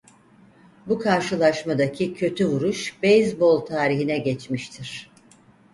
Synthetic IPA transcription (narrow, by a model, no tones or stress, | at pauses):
bukʰaɾʃɯlˠaʃmad̪akʰicʰø̞t̪ʰyvuɾuʃbejzbo̞lˠt̪ʰaːɾiɦinɛɟɛt͡ʃmiʃt̪ʰiɾ̥